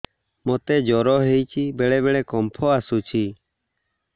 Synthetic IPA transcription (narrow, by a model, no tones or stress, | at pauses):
mot̪ɛd͡ʒɔɾɔɦejt͡ʃʰibɛɭɛbɛɭɛkɔmpʰɔasut͡ʃʰi